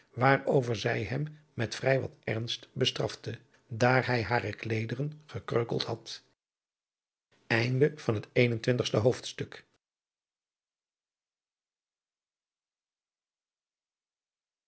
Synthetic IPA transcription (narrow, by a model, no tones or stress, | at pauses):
ʋaːɹowvəɹzɛjɦɛmː | ɛtfrɛjʋɑ̰tɛ̰ɹnstbəstrɑ̰ftə | daːɹɦɛjɦaːrəklejdərənχəkrøɥkəlˠthɑt | ɛjndəv̥ɑnɦətejnəntʋɪntəχstəɦowftstɵk